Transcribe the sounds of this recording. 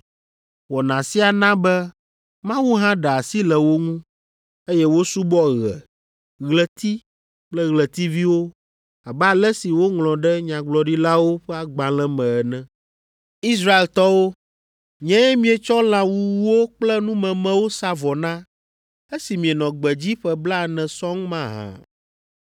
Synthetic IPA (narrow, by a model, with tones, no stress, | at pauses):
wɔ˨nã˨si˦a˨nã˦bɛ˦ | mã˦wu˦ɦã˦ɖɛ˨a˨si˦lɛ˨wo˦ŋũ˦ | e˦jɛ˦wo˦su˦bɔ˦ɣɛ̰˨ | ɣlɛ˨t̪i˦ | k͡plɛ˦ɣlɛ˨t̪i˦vi˦wo˦ | a˨bɛ˦a˨lɛ˦si˨wo˦ŋlɔ̃˨ɖɛ˦ɲã˨ɡ͡blɔ˨ɖi˦la˦wo˦ɸɛ˦a˦ɡ͡bã˨lɛ̃˦mɛ̃˨ɛ˨nɛ̃˦ | i˦s̬ɾa˦e˨lt̪ɔ˦wo˦ | ɲɛ̃˦jɛ˦mĩ˦ɛ˨t͡ʃɔ˦l̃ã˨wu˨wu˦wo˦k͡plɛ˦nũ˦mɛ̃˨mɛ̃˦wo˦sa˦vɔ˨nã˦ | e˦si˨mĩ˨ɛ˨nɔ̃˨ɡ͡bɛ˨d͡ʑi˦ɸɛ˨bla˦ɛ˨nɛ̃˨sɔ̃˦ŋmã˦ɦã̰˨